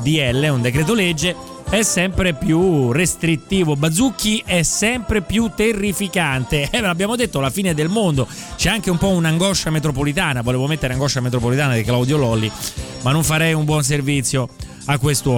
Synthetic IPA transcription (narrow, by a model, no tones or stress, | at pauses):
d̪iɛlːeund̪ekɾɛːt̪̬oled͡ʒːe | ɛsːɛmpɾepjurest̪ɾit̪ːiːvobad̪zukːiʔɛsɛmpɾepjut̪ːerːifikant̪eɛabːjaːmod̪et̪ːolafiːned̪elmond̪o | t͡ʃɛaŋkeumpɔunaŋɡɔʃːamet̪̬ɾop̬olit̪aːnavoleːvomet̪ːeɾeaŋɡɔʃːamet̪ɾopolit̪aːnad̪iklawd̪jolɔlːimanːoɱfaɾɛjumbwɔns̬ervit̪sːjo | akːwest̪ɔ